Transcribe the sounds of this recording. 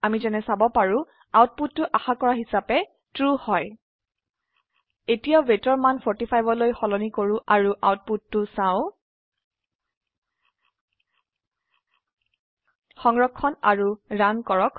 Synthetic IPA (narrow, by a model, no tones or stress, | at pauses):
amizɛnɛsabɔpaɹʊ̃ | awt̚putːʊʔaxakɔɹaɦisapɛ | tɹuhɔj | etijabetɔɹmanpʰɔɹtipʰajbɔlojxɔlɔnikoɹʊ̃ʔaɹuʔa̰wt̚putːʊsãʊ̃ | xɔŋɹɔkʰːɔna̰ɹuɹankɔɹɔk